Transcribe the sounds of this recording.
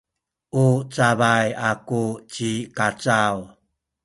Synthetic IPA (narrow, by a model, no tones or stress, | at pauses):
ʔut͡savajakut͡ɕikat͡saw